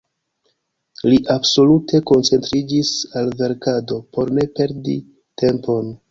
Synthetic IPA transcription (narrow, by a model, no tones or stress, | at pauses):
liʔabso̞lutʰe̞ko̞nt͡se̞ntɾid͡ʒisalve̞ɾkado̞po̞ɾne̞pe̞ɾdḭ | te̞mpo̞n